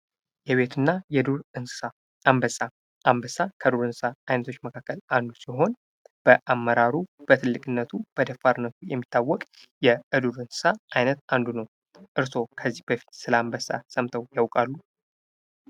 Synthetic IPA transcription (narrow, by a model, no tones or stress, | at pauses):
jɛβe̞t̪ʰɨnːajɛd̪uɾɨnsɨ̥saː | mbəsa | ʔambəsakʰəd̪uɾɨnsɨsaajnət̪ʰo̞t͡ʃːməkʰakːəlʔand̪usiɦo̞n | b̥əʔamːəɾaɾub̥ət̪ʰɨlːɨkʼɨnːət̪ʰub̥əd̪əfːaɾɨnːət̪ʰujɛmːit̪ʰːawːɔkʼ | jɛʔɨd̪uɾɨnsɨ̥saʔajnət̪and̪unəw | ʔɨɾso̞kʰəzːihb̥əfi̥t̪sɨləambəsa̰səmt̪ʰəwjawkʼalːu